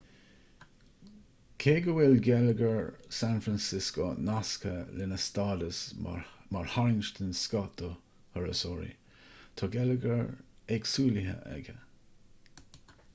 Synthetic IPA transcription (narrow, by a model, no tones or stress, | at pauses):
kʰeːɡəwɪlɡɛləɡəɹsanfɾansɪskonaskʰəlɪnəst̪ɑːd̪əsmaɹhaɹɪnʃt̪ənskɔt̪o | həɹə̰sɔɹḭ | t̪ʰɑɡɛləɡəɹɛksuːliɦə̰ʔɛ̰ɡə